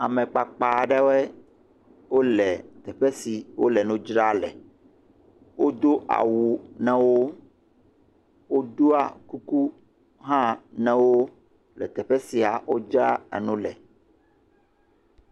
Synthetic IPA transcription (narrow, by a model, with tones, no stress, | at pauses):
a˨mɛ̃˨k͡pa˨k͡pa˨ɖɛ˦wɛ˦ | wo˦lɛ˨t̪ɛ˨ɸɛ˦si˨wo̰˦lɛ˨nũ˦d͡ʒɾa˦lɛ̰˨ | wo˦d̪o˦ʔa̰˨wu˨nɛ̃˦wo˦ | wo˦d̪o˦a˨ku˦ku˦ | ɦã˦nɛ̃˨wo˦ | lɛ̰˨t̪ɛ˨ɸɛ˦si˨a˨wo˦d͡ʒɾa˦ɛ̰˨nũ˦lɛ̰˨